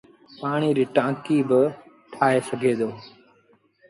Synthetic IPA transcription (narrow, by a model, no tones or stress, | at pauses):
paːɳ̃iːɾiːʈãːkiːbɪ | ʈʰaːɦeːsəɡʱeːd̪oː